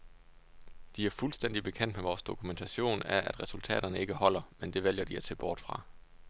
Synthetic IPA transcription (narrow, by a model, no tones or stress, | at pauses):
d̥iæɐfulsd̥en̰d̥ib̥e̝kʰen̰d̥meʋɒːsd̥o̝kʰument͡sʰæɕo̝̰ːnæɐʔæd̥ʁɛsult͡sʰɛ̰ːɾ̥ɐnəe̝ɡ̥əhɒ̽l̰ɐmend̥e̝ʋel̰jɐd̥iæt͡sʰe̝b̥ɒːd̥fʁɑ̈